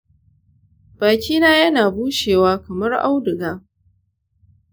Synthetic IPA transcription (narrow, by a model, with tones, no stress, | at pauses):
b̥aː˨kʲiː˦naː˦jɐ˦naː˨buː˦ʃeː˨waː˦kɐ˨mɐ˦rʔa˦wdɪ˨ɡaː˦